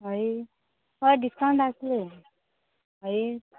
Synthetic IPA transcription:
ɦʌj | ʌɖiskawɳʈasle | ɦʌj

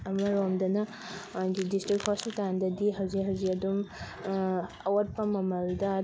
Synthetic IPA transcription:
ɐmɐɾomdɐnɐ | ɡidistɾik̚thɔsitandɐdiɦɐwziɦɐwzikɐdum | ɐwɐɾ̚pɐmɐmɐɾudɐ

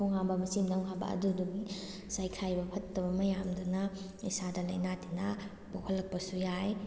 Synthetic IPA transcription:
oŋhambɐmɐsimdaŋɦabɐ̰ɐ̰duduɡi | sajkʰajbɐpʰɐtːɐbɐmɐjamdunɐ | isadɐlɐjnatinɐ | bohʰɐlːɐk̚pɐsujaj

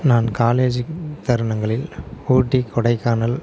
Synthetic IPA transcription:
naːnkaːleːd͡ʒɯt̪ɐɾɯɳɐŋɡɐɭɪluːʈːikːɔɽɐɪkːaːnɐl

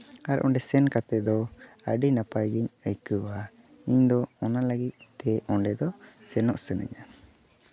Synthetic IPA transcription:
aɾʔɔ̰ɳɖɛsɛnkat̪ɛd̪ɔəɖinapajɡiɲəjkəba | iɲd̪ɔɔnaləɡic̪̚t̪ɛɔɳɖɛd̪ɔ | sɛnɔʔsɛnɛ̰ɲa

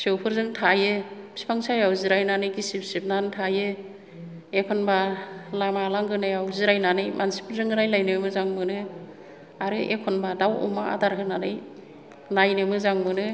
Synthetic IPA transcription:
sɯwpʰɯɾzɯŋtʰajepsi̥pʰaŋsajawziɾajnanɯjɡisip̚sip̚nantʰaje | ekʰɔnbalamalaŋɡɯnajawziɾajnanɯjmʔansi̥pʰɯɾzɯŋɯɾajlajnɯmɯzaŋmɯnɯ | aɾɯʔḛkʰɔnbadawɔ̰maa̰daɾɦɯnanɯj | lajnɯmɯzaŋmɯnɯ

